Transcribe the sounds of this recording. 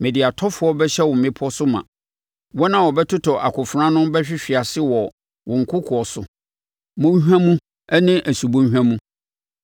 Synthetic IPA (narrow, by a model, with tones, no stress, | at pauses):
mɛ̃˨di˨a˨tʰɔ˦fʊ˦ɔ˦bɛ˦ɕɛ˦wʊ̃˨m̩˨mɪ̃˦pʰʊ˦ɔ˦sʊ˦mã̰˨ | wɔ˦nã˨wɔ˨bɛ˦tʰʊ˦tʰɔ˨ʔa˨kʊ˨fɾã˦nʊ̃˦mbɛ˦ɕᶣɪ˦ɕᶣi˨a˨sɪ˦wɔ˨ | wʊ̃˨ŋ̩˨kʰʊ˦kʰʊ˨ɔ˨sʊ˨ | mʊ̃˦ɲ˦ɦᶣæ̃˦mũ˦ | ɛ˦nɪ̃˦ʔæ˨su˨bõ˦ɦᶣã˦mũ˦